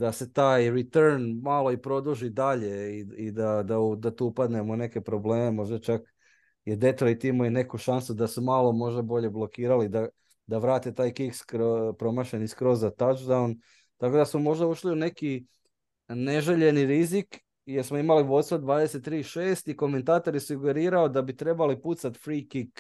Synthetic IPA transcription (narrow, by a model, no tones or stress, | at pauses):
d̪ase̞t̪aːjɾit̪eɾnmalo̞ipɾo̞d̪uʒid̪aʎe̞iid̪ad̪aud̪at̪uupad̪ne̞moune̞ke̞pɾo̞ble̞ːme̞mo̞ʒd̪at͡ʃak | jed̪e̞t̪ɾoit̪imojine̞kuʃansud̪asumalˠo̞mo̞ʒd̪abo̞ʎe̞blˠokiːɾalid̪a | d̪aʋɾaːt̪et̪aːjkikskɾopɾo̞maʃeniskɾo̞zːat̪at͡ʃd̪aun | t̪ako̞d̪asmomo̞ʒd̪auʃliune̞ki | ne̞ʒeʎe̞niɾizik | jeɾsmoimalibo̞d̪t̪sod̪ʋaːd̪e̞se̞t̪ːɾiːʃeːst̪iko̞me̞nt̪aːt̪o̞ɾisuɡe̞ɾiːɾaod̪abit̪ɾe̞baliput̪sat̪fɾiːkik